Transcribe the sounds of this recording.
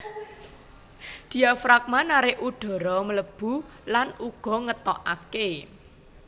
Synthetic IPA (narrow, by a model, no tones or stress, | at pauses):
d̪̥i̤afɾak̚manaɾɪʔʔuɖ̥ɔ̤ɾɔmələb̥ṳ | lanuɡ̥ɔ̤ŋət̪ɔʔake